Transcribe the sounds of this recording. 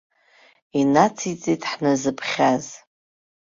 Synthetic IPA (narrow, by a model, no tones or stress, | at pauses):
inat͡sʰit͡sʼitʰʼħnazɨpʰχʲaz